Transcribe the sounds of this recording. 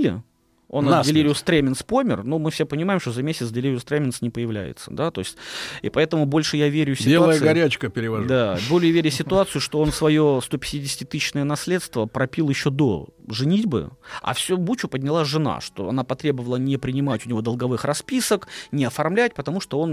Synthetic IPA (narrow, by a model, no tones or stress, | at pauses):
lʲɪ̰ | ondʲɪlʲeɾʲɪʊst̪ɾʲemʲɪnspo̞mʲɪ̰rnumɨfsʲepənʲɪmajɪmʂt̪ozɐmʲesʲɪt̪sdʲɪlʲeɾʲɪʊst̪ɾemʲɪnsnʲɪpəjɪvlʲæ̰jɪ̰t̪sə̰d̪at̪o̞ɪsʲtʲḭpɐɛt̪əmʊbo̞lʲʂɨjavʲeɾʲʊsʲɪelaəjjəɡɐɾʲæt͡ɕkəpʲɪɾʲɪvɐd̪abolʲɪjvʲeɾʲʊsʲɪt̪ʊat̪sɨjʊʂt̪o̞o̞nfsvɐjo̞st̪o̞pʲɪ̥tʲidʲɪsʲtʲɪt̪ɨɕnəjənɐsʲlʲe̞t̪st̪vəpɾɐpʲilˠjɪɕːod̪o̰ʐɨnʲidʲbɨ̰ɐ̰fsʲubut͡ɕʊpədʲnʲɪlˠaʐɨna̰ʂt̪o̞̰ɐ̰napɐt̪ɾʲe̞bəvəlˠənʲɪpɾʲɪnʲɪmatʲʊnʲɪvo̞d̪əlˠɡɐvɨxrɐspʲisəknʲɪɐfɐrmlʲæt̚ʲpət̪ɐmuʂt̪o̞o̞n